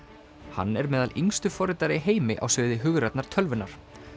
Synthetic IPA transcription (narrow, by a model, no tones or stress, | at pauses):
ha̰nːɛɾmɛːðaliŋst̪ʏfɔɾɪt̪aɾɪɦeːjmɪʔa̰wsʏːðɪɦʏɣɾɛt̪naɾ̥t̪ʰœlvʏnːaɾ̥